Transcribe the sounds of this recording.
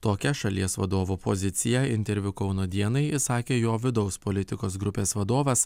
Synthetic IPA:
t̪oːkʲɛʃɐlʲiɛsʋɐd̪oːʋuːpo̰zʲɪt̪sʲɪjɛɪnʲt̪ʲɛɾʲʋʲʊkɒʊnoːd̪ʲiɛnɐɪɪsɑːkʲeːjoːʋʲɪd̪ɒʊspɔlʲɪt̪ʲɪkoːs̬ɡɾʊpʲeːsʋɐd̪oːʋɐs

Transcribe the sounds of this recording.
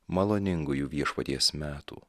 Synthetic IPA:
mɐlˠoːnʲɪŋɡʊjuːʋʲiɛʃpɐt̪ʲiɛsmʲæːt̪ṵː

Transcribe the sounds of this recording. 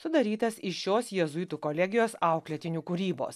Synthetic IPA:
sʊd̪ɐɾʲiːt̪ɐsɪʃʲoːsjɛzʊɪt̪uːkoːlʲɛɡʲɪjoːsɑˑʊklʲɛt̪ʲɪnʲuːkuɾʲiːbo̰ːs

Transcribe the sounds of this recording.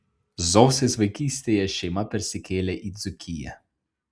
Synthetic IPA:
zɔwsɛzʋɐjkist̪ɛjɛʃemapɛɾsikʰeːlɛʔizukʰijɛ̰

